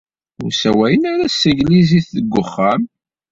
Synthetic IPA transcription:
ʊ̰ɾsæwæjənaɾæsːəʝliziθəɡʷːʊχːam

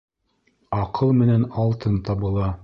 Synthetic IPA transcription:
ɑqʰɤlˠmɘ̆nænɑlˠt̪ʰɤnt̪ɑβɤ̆lˠɑ

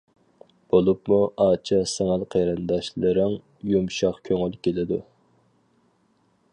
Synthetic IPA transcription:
b̥olˠupmuʔɑːt͡ʃʰɑsɛŋælqʰejɾɨnd̪ɑʃlˠɨɾɨŋ | jumʃɑχkʲʰøŋylkʲʰelɪd̪u

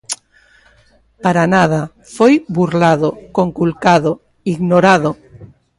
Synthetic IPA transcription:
paɾanað̞a | fojbuɾlaðokoŋkulkaðo | iɣnoɾaðo

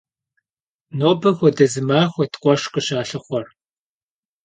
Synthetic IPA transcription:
noːbɐxʷɔdɐzɨmaːxʷɔtqʷʼɔʃqʼɨɕaːɬɨχʷɔr

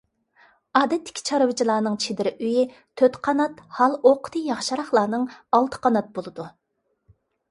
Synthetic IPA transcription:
ɑːd̪ɛt̪ʰːɪ̥kʲʰi̥t͡ʃʰɑɾɨwɨt͡ʃʰilˠɑːnɨŋt͡ʃʰed̪ɪɾʔyji | t̪ʰøt̪qʰɑnɑt̪hɑlˠoqʰʊ̥t̪ʰɨjɑχʃɑɾɑχlˠɑːnɨŋɑlˠt̪ʰə̥qʰɑnɑt̪̚bolˠɨd̪u

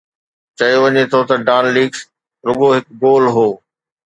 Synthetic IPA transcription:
t͡ɕɐjoʋɐɲet̪ʰot̪ɐɖaːnliːɡs | ɾʊɠoɦɪk̚ɡoːlɦoː

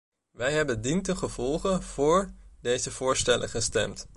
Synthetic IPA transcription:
ʋɛjɦɛbəndintəχəv̥ɔlˠχənv̥ʊːɹdejzəv̥ʊːɹstɛlʔə̰χəstɛ̰mt

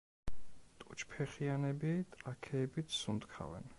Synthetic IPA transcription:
t̪ʼut͡ʃʰpʰɛχianɛbit̪ʼɾakʰɛːbit̪ʰsund̪kʰa̰vɛ̰n

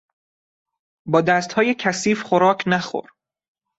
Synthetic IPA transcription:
bɒːd̪æst̪hɒːjecʰæsiːfχoɾɒːcʰnæxo̰ɾ

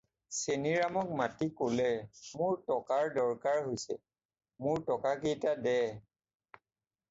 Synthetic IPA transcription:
seniɹamɔk̚matikolɛmʊɹtɔkaɹdɔɹkaɹɦojsɛ̰ | mʊɹtɔkakejtadɛ

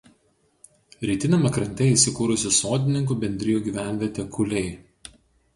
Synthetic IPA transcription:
ɾʲɛɪt̪ʲɪnʲɛmɐkɾɐnʲt̪ʲɛiːˑsʲɪkuːɾʊsʲɪsoːd̪ʲɪnʲɪŋk̬uːbʲɛnʲd̪ʲɾʲɪjuːˑɡʲiːʋʲæˑnʲʋʲiɛt̪ʲɛkʰʊlʲɛɪ

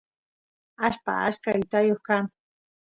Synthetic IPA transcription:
aʃpa̰a̰ʃkajt̪ajoχkaŋ

